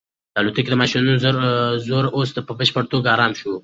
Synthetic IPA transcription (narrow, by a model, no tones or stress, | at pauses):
d̪alut̪uked̪əmɑʃinunozɾzoɾosd̪əpəbəʃpəɽt̪oɡɑɾɑːnʃu